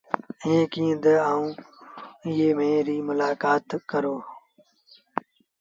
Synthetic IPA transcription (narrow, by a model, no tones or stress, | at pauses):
ẽːkĩːd̪eaːũː | ɪjeːmeːɾiːmʊlaːkaːt̪kəɾoː